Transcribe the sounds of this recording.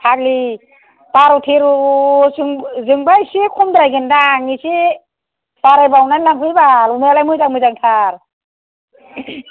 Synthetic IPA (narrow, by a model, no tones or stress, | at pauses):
tʰak̚li | taɾutʰeɾusɯŋzɯŋbajsikʰɔmd̪ɾajɡɯndaŋisi | saɾajbawnanlaŋpʰɯjbalumealajmɯjzaŋmɯjzaŋtʰaɾ